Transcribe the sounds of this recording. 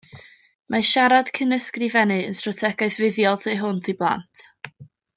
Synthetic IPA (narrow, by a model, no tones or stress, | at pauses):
mʔaʃaɾad̥kʰənəskrivɛnɨə̰nstrɔtʰɛɡaɨðvɪðjɔlˠtʰejɦʊntʰiblˠa̰ntʰ